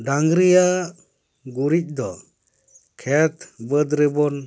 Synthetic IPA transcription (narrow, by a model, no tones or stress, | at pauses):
ɖaŋɡɾija | ɡuɾic̚d̪ɔ | kʰɛt̪bəd̪ɾɛbɔn